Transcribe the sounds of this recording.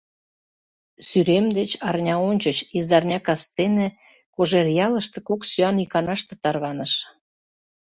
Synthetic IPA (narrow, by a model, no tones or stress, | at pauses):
syɾemd̪et͡ɕɑrnʲɑonʲt͡ɕət͡ɕizɑrnʲɑkɑst̪enĕ | koʒerjɑləʃt̪ĕkoksyɑnikɑnɑʃt̪ĕ̥t̪ɑrβɑnəʃ